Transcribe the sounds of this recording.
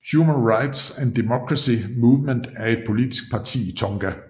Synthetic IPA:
hhjumənʁɑ̈ɪd̥sænd̥imokʰʁɑsimuːʋmənd̥æɐe̝d̥̚pʰo̝lid̥isɡ̥̚pʰɑ̈t͡sʰḭːit͡sʰɒ̽ŋɡ̥æ

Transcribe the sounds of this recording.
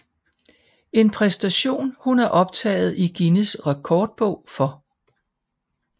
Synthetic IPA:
e̝npʰʁɛsd̥æɕo̝̰ːnhunæɐʔɒ̽b̥̚t͡sʰɛ̰ːɪð̞̩ˠiɡ̥inəsʁɑ̈kʰɒːd̥̚b̥ɔ̽ʊ̰fɒ̽

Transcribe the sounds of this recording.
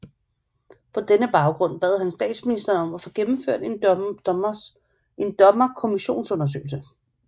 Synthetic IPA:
pʰɒ̽d̥enəb̥ɑ̈ʊɡ̥ʁɔ̽n̰b̥ɛ̰ːðˠɦænsd̥ɛ̰ːd̥sminisd̥ɐːnɒ̽mæfɔ̽ɡ̥emm̩føɐ̰d̥e̥ | e̝nd̥ɒ̽mɐkʰo̝miɕo̝̰ːnsɔ̽nɐs̬ø̰ːɪl̩sə

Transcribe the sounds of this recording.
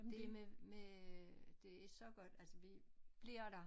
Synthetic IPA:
d̥ememe | d̥e̝æɐe̝ɡ̥sɒ̽ɡ̥ɒ̽d̥ælsəʋib̥liɐ̰ɾ̥ɑ̈

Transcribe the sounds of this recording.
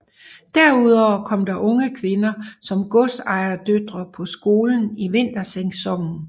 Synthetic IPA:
d̥æɐuð̞ˠɒːkʰɒ̽m̰d̥ɑ̈ʔɔ̽ŋəkʰʋe̝nɐsɒ̽mɡ̥ɔsɑ̈ɪɐd̥ød̥ʁɐpʰɒ̽sɡ̥o̝ːln̩iʋe̝n̰d̥ɐseŋsɒ̽ŋ̰n̩

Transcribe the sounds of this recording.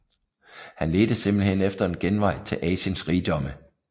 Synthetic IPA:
hænle̝ːd̥əsemb̥l̩hen̰efd̥ɐe̝nɡ̥enʋɑ̈ɪ̰t͡sʰe̝lʔɛːɕənsʁiːd̥ɒ̽mə

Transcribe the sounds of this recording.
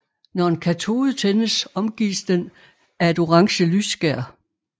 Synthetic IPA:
nɒe̝nkʰæt͡sʰo̝ːð̩ˠt͡sʰenəsɒ̽mɡ̥ḭːsd̥en | æe̝d̥o̝ʁɑ̈ŋɕəlysːɡ̥æɐ̰

